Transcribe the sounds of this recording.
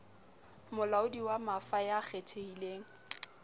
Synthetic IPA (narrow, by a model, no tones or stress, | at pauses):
mʊlaʊdiwamafajaχʰetʰeileːŋ̩